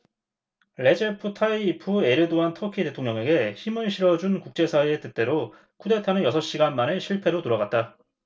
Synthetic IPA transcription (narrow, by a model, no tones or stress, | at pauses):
ɭe̞d͡ʑepʰɯtʰaiːpʰue̞ɾɯdoɦantʰʌkʰite̞tʰoŋɲʌŋe̞ɡe̞çimɯɭɕʰiɾʌd͡ʑunkuk̚t͡ɕ͈e̞sʰaiet͈ɯt͈e̞ɾo | kʰude̞tʰanɯnjʌsʰʌɕ͈iɡanmaneɕʰiɭpʰe̞ɾotoɾʌɣat̚t͈a